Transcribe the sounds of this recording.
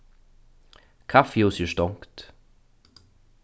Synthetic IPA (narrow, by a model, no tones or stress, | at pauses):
kʰafjoːsjəʃt̪ɔŋkt̪